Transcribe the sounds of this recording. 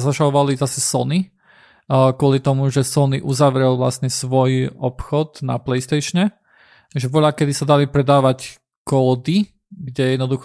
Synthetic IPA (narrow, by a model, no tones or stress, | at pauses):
zaʒaɔʋalizasɛsɔni | kʊɔlit̪ɔmuʒɛsɔniʔuzaʋɾɛlʋla̰sɲɛsʋɔjɔpxɔd̪na̰plɛjst̪ɛjʃɲɛ | ʒɛʋɔʎakɛd̪isad̪alipɾɛd̪aːʋac | kɔːd̪i | ɡɟɛjɛd̪nɔd̪ux